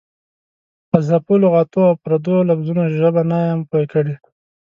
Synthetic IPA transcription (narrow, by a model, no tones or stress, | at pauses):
pəzapuloɣɑt̪oawpɾad̪olafzunaʒəbanɑjampokəɽi